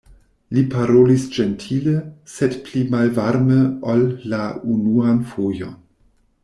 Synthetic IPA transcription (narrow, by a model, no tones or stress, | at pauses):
lipaɾolisd͡ʒentʰiləsedplimalvaɾməolːaunuanfojo̰n